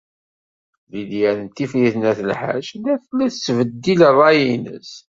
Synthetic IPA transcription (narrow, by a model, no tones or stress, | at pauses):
ðid̪jæɾənt̪ifliθnæθəlħa̰ʃlæθəlːæθt͡sːvəd̪ːilərˤːɑjinə̰s